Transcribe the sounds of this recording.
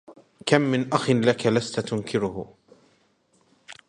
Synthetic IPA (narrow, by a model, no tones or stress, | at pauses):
kamːɪnʔaxɪnlakalast̪at̪ʊnkʰɪɾʊh